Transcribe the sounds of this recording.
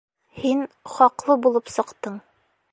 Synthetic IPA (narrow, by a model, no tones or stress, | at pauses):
hinχɒqlˠɤbulˠɤpsɤ̆qt̪ɤɴ